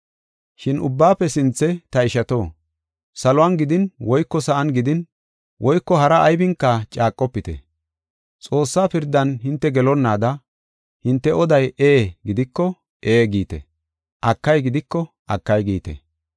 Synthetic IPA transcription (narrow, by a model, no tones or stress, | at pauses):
ʃɪnʊ̰bːaːpːɛsɪnt͡sːɛt̪ɐɪʃɐt̪o̞ː | sɐlʊwanɡɪd̪ɪnwɔjkːɔsɐʔɐnɡɪd̪ɪn | wʔɔjkːɔɦɐɾɐʔːjbɪŋkːɐt͡ʃʼaːkʼːɔpːɪt̪ɛ̰ | t͡sʼo̞ːsːaːpɪɾd̪ːɐnhɪnt̪ːɛɡɛlɔnːaːd̪ɐ | hɪnt̪ːɛʔɔd̪ɐjeːɡɪd̪ɪkːɔ | ʔe̞ːɡiːt̪ɛ̰ | ʔɐkːɐjɡɪd̪ɪkːɔ | ʔɐkːɐjɡiːt̪ɛ̰